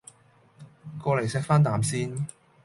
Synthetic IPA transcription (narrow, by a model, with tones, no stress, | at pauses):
kɔː˧le˨˩jsɛː˧k̚faː˥nt̪aː˨msiː˥n